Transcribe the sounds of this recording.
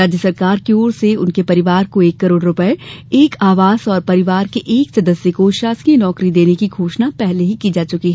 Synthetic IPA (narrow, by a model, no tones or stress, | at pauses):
aːd͡ʒjəsɐɾkaːɾkioːɾseʊnkepɐɾɪʋaːɾkoeːkːɐɾoːɽɾʊpəeeːkʰaːʋaːzɔːɾpɐɾɪʋaːɾkeʔeːksɐd̪əsjəkoʃaːsiənɔːkɾid̪eːnekiɡʱoːʃnapɛɦleɦikiːd͡ʒaːt͡ʃʊkiɦɛ